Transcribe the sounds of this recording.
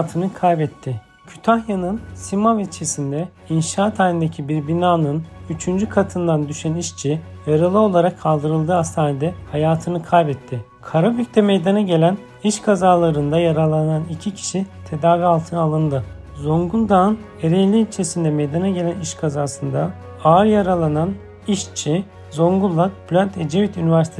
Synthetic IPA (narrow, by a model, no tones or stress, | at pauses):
t̪ʰɯnɯkʰajbɛt̪ʰːɪ | cʰy̥t̪ʰaxjanɯnsimavit͡ʃʰesind̪ɛ | inʃaːt̪ʰanʲind̪ecʰibiɾbinaːnɯnyt͡ʃʰynd͡ʒykʰat̪ʰɯnd̪and̪yʃæniʃt͡ʃʰi | jaɾalˠɯo̞lˠaɾakʰːalˠd̪ɯɾɯlˠd̪ɯast̪ʰaːnʲid̪ɛhajaːt̪ʰɯnɯkʰajbɛt̪ʰːɪ | kʰaɾabycʲt̪ʰɛme̞jd̪anaɟe̞lʲæn | iʃkʰazaːlˠaɾɯnd̪ajaɾalˠːananicʰicʰi̥ʃit̪ʰe̞d̪aːvialˠt̪ʰɯnɯalˠɯnd̪ɯ | zo̞ŋɡulˠd̪an | eɾɛlʲiːlʲt͡ʃʰe̞sind̪ɛmejd̪anaɟe̞lʲæniʃkʰazaːsɯnd̪a | aɾjaɾalˠanan | iʃt͡ʃʰi | zo̞ŋɡulˠːak̪blʲønt̪ʰed͡ʒevit̪ynivæɾsit̪ʰe